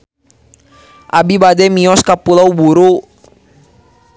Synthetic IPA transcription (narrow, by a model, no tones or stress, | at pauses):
ʔabibadɛmiɔskapulawbuɾu